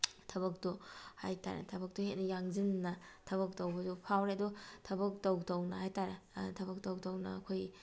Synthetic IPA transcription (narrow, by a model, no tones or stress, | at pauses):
tʰɐβɐk̚tuha̰jta̰ɾḛtʰɐbɐk̚tuhet̚nɐjaŋzinːɐtʰɐβɐk̚towbɐdupʰawɾeɐdutʰɐbɐk̚towtownɐɦajtaɾetʰɐbɐk̚towk̚townɐ̰ːkʰoj